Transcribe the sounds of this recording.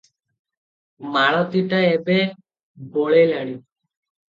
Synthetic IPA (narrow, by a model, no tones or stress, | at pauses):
maɭɔt̪iʈaebe | boɭelaɽi